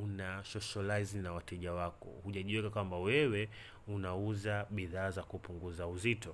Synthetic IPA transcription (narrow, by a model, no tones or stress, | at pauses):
unaʃɔʃalaiznawatɛʄawakɔ̰huʄaʄiwɛkakwambawɛwɛ | unauzaɓiðaːzakupuŋɡuzauzitɔ